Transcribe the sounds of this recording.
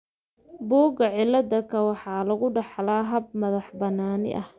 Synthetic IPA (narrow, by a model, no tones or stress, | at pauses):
bɔːɡɐʕɪlːɐd̪ɐkʰɐwɑħɑːlɐɣʊɖɑħlaːɦɐb̚mɐðɑħbɐnaːnɪ̰ʔɐh